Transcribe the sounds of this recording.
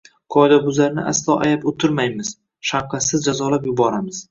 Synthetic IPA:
kʰɒjd̪abʊzlaɾnɪ̰ʔa̰slˠɒʔa̰japot̪ʰɪɾmajmɪz̥ | ʃaqɑsɪzd͡ʒazɒlapjʊbɒɾamɪz̥

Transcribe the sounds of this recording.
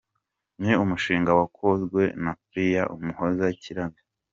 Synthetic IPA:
meumuʃiːŋɡawakʰo̞zɡwe̞nafɾijaʔumuhozaciɾani

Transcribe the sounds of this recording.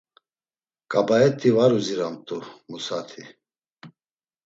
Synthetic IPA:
kʼabaɛt̪ʰʼivaɾuziɾamt̪ʼumusat̪ʰi

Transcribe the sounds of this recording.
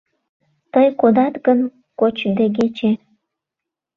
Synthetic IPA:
t̪əjkod̪ɑt̪ɡən | kot͡ɕd̪eɡet͡ɕe

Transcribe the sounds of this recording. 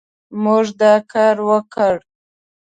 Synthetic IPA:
muʐd̪ɑkʰɑɾwəkəɽ

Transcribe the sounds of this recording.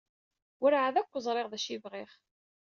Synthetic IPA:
ʊɾaʕaðækʷːzˤɾˤɪʁðæʃivʁeχ

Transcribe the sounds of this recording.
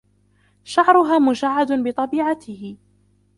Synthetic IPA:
ʃaʕɾˤʊɦaːmʊd͡ʒaʕːad̪ʊbɪt̪ˤɑbiːʕat̪ɪhɪ

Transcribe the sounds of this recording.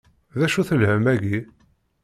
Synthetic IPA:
ðæʃuθəlhəmæʝi

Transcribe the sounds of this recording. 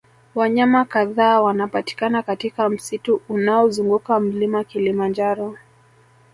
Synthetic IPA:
waɲamakaðaːwanapati̥kanakatikam̩situːnaɔzuŋɡukam̩limakilimand͡ʒaɾɔ

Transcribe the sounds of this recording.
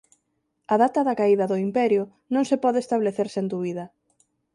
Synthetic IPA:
aðat̪ɐðɐkaiðɐðʊimpɛɾjʊ | nõŋsepɔðeːst̪aβleθeɾsend̪uβiðɐ

